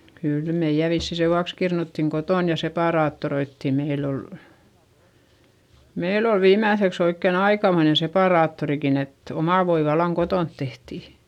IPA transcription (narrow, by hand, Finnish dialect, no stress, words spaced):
kyˑl meij̆æ ʋisːi seʋuɑks kirnutːiŋ kotoˑn jɑ sepɑˑrɑːtːoroitːiˑ meilː ol meil ol ʋiːmːæˑθeks oikːen ɑikɑmoine sepɑˑrɑːtːorikin et omɑˑ ʋoi ʋɑlːɑŋ kotoˑnt tehti